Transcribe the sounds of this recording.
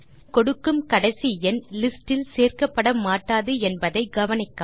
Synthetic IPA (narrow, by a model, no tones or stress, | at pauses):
kɔɽɯkːɯmkɐɽɐɪsiɛnlɪsʈɪlseːrkɐpːɐɽɐmaːʈːaːðɯɛnbɐðɐɪɡɐʋɐnɪkːa